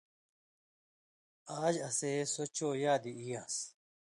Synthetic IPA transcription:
aːd͡ʑɐseːsot͡ɕoːjaːd̪iijãːs

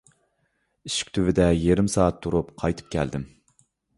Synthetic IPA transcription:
iʃi̥kʲt̪ʰyvɪd̪ɛjeɾɪmsɑːɑt̪ʰːuɾupqʰɑjt̪ʰɨ̥p̚kʲʰɛ̰ld̪ɪm

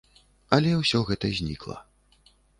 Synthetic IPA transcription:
ɐlʲɛwsʲɔɣɛt̪ɐzʲnʲḭklˠɐ̰

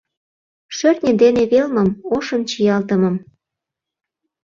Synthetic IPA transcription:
ʃørt̪ʲnʲə̆nd̪eneβelməmoʃəmt͡ɕijɑlt̪əmɤ̆m

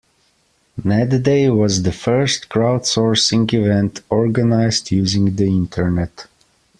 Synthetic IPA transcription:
nɛddeɪwɔzðəfɜ˞stkɹaʊdsɔɹsɪ̃ŋɡivɛ̃ntʰɔɹɡənaɪztʰjʉːzɪ̃ŋɡðiɪ̃ntʰə˞nɛt

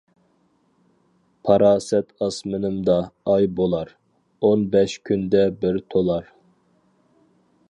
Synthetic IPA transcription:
pʰɑɾɑːsɛt̪ʰɑsmɪnɪmd̪ɑːjbolˠɑɾ | onbɛʃkʲʰynd̪ɛbɪɾt̪ʰolˠɑɾ

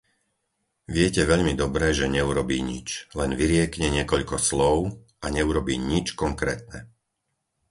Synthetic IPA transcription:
ʋɪɛcɛʋɛʎmid̪ɔbɾɛʒɛɲɛuɾɔbiːɲḭt͡ʃlɛnʋiɾɪɛkɲɛɲɪɛkɔʎkɔslɔʊ | ʔaɲɛuɾɔbiːɲit͡ʃkɔŋkɾɛ̰ːt̪̚nɛ̰

